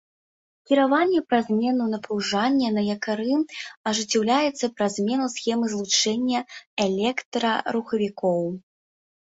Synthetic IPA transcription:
kʲiɾavanʲːɛpɾazʲmʲɛnunɐpɾuwʐanʲːɐnɐjɐkaɾɨɐʐɨt͡sʲːɛwlʲajɛt̪sːɐpɾɐzʲmʲɛnusxʲɛmɨzlˠut͡ʂɛnʲːɐɛlʲɛkt̪ɾɐɾuxɐvʲikɔw

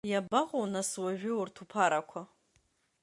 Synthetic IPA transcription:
jabaʁʷonaswaʒᶣʊurtʰupʰaɾakʷʰa

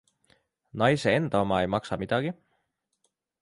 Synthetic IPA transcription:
nɑjse̞e̞nd̪̥ɑomɑe̞jmɑksɑmid̪̥ɑɡ̥i

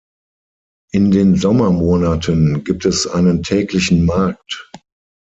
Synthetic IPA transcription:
ʔɪndeːnzɔmɐmoːnatʰənɡiːp̚tɛsʔa̰ɪnəntʰɛːklɪçn̩maɐk̚t

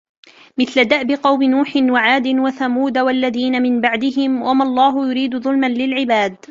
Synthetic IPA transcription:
mɪθlad̪aʔbɪqɑwmɪnuːħɪnwaʕaːd̪ɪnwaθamuːd̪awalːaðiːnamɪnbaʕd̪ɪɦɪmwʔamalˤːɑːɦʊjʊɾiːd̪ʊðˤʊlmanlɪlʕɪbaːd̪

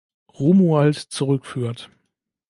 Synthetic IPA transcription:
ʁumualtt͡suʁʏkfyːɐt

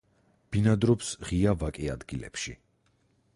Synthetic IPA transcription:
b̥inad̪ɾɔpsʁiavakʼɛa̰d̪ɡilɛ̰pʃḭ

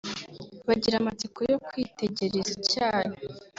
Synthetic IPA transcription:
βaɟiɾamat͡sikojokwiːte̞ɟe̞ɾezacaːɾe

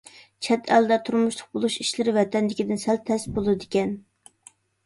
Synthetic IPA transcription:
t͡ʃʰɛt̪ʰɛld̪ɛt̪ʰuɾmuʃlˠʊq̚bolˠuʃiʃlɪɾɪvɛt̪ɛnd̪ɪkʲid̪ɪnsɛlt̪ʰːɛsbolˠɨd̪ɪkʲɛn

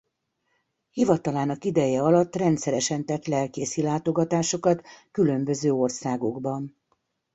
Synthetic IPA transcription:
hivɒt̪ɒlaːnɒkid̪ɛjɛɒlɒt̪ːrɛnt̪sɛɾɛʃɛnt̪ɛt̪lɛlkeːsilaːt̪o̞ɡɒt̪aːʃo̞kɒt̪kylø̞mbø̞zøːo̞rsaːɡo̞ɡbɒn

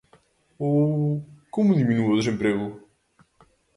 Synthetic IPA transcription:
o | komuðiminuɐwd̪ezẽmpɾeɣʊ

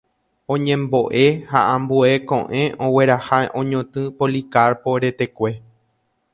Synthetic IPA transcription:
õ̞ɲẽ̞mbo̞ʔe̞haʔãmbue̞kõ̰ʔẽ̞ʔõwe̞ɾahaʔõɲõt̪ɨ̃polikaɾpoɾe̞t̪e̞kʷe̞

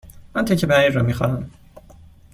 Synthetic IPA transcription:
mænt̪ʰecʰebæiɾːɒmiːxɒnæm

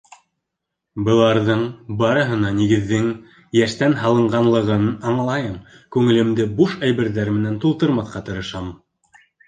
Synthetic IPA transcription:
bɤ̆lˠɑɾðɤɴbɑɾɤ̆ɦɤ̆nɑniɡɘ̆ðːɘŋ | jæʃt̪ænɦɑlˠɤ̆ɴɢɑnlˠɤ̆ʁɤ̆nɑɴlˠɑjɤm | kʉŋɘ̆lɘ̆md̪ɘbuʃæjβɘ̆ɾðæɾmɘ̆nænt̪ulˠt̪ɤ̆ɾmɑθqɑt̪ɤ̆ɾɤ̆ʃɑm

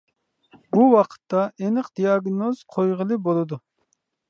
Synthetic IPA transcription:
buwɑqʰə̥t̪ʰːɑʔenɨqd̪ijɑɡnoz̥qʰojʁəlˠɨbolˠɨd̪u

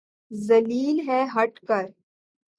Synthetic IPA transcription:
zɐliːlɦɛːɦɐʈkəɾ

